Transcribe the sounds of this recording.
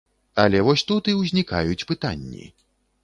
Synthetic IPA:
ɐlʲɛvɔsʲt̪ut̪iwzʲnʲika̰jut͡sʲpɨt̪a̰nʲːḭ

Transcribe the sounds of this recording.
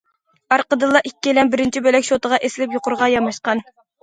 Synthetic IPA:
ɑɾqəd̪ɨlˠːɑʔikʲːilɛnbɪɾɪnt͡ʃʰibølɛkʲʃot̪əʁɑʔesɪlɪpjoqʊɾʁɑjɑmɑʃqɑn

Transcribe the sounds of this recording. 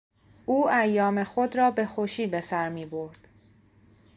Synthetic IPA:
uːæjːɒːme̞xo̞d̪ɾɒːbe̞xoʃiːbe̞sæɾmiːboɾd̪̥

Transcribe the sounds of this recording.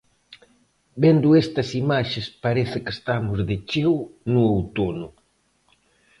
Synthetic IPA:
bend̪ʊest̪ɐsimaʃespaɾeθɪkest̪amʊzðɪt͡ʃewnuowt̪onʊ

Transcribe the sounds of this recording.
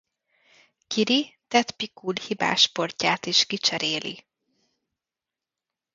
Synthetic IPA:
kiɾit̪ɛt̪pikulhiba̰ːʃpo̞rcaːt̪iʃkit͡ʃɛɾeːlḭ

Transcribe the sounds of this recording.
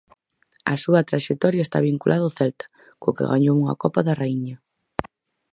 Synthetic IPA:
ɐ̰suɐt̪ɾaʃek̚t̪ɔɾjaest̪a̰βiŋkulʔaðoθɛlt̪ɐ̥ | kʊkɪ̰ɣaɲowuŋɐ̰kɔpɐðɐraiɲɐ

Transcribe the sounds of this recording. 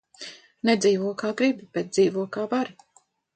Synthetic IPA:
nɛd̪ziːvuɔkaːɡɾibibɛt̪̚d̪ziːvuɔkaːbaɾi

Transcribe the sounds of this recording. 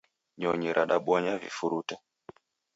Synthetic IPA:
ɲɔɲiɾʔaɗaɓwɔɲavḭfuɾuta

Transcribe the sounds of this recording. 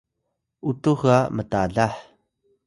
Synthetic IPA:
utuɣamətaɮaħ

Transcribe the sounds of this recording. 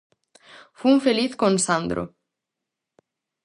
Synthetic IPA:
fumfɪliθkonsand̪ɾʊ̰

